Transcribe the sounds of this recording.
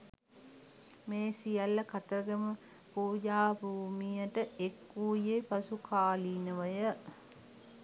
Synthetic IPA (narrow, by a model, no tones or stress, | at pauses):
meːsijalːəkat̪əɾəɡəmə | puːd͡ʒaːbʱuːmijəʈəekːuːjepasukʰaːliːnəʋəjə